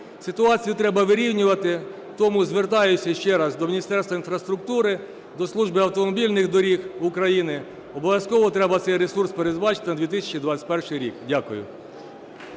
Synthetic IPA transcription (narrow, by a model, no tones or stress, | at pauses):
sɪt̪ʊɑt͡sʲijʊt̪ɾɛbɐʋɪɾʲiwnʲʊʋɐt̪ɪ | t̪ɔmʊzʋert̪ɑjʊsʲːɐʃt͡ʃɛɾɑzd̪ɔmʲinʲist̪ɛrst̪ʋɐinfɾɐst̪ɾʊk̚t̪uɾɪ | d̪ɔslˠuʒbɪɐwt̪ɔmɔbʲilʲnɪxd̪ɔɾʲixʊkɾɐjinɪ | ɔbɔʋʲjɐskɔʋɔt̪ɾɛbɐt̪sɛjresurspeɾezbɑt͡ʃɪ̥t̪ɪnɐd̪ʲʋʲit̪̬ɪsʲɐ̥t͡ʃid̪ʋɑt͡sʲɐ̥tʲpɛrʃɪjɾʲḭkdʲakʊjʊ̰